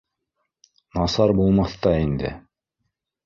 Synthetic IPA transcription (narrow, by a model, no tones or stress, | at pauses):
nɑsɑɾbulˠmɑθt̪ɑind̪ɘ̰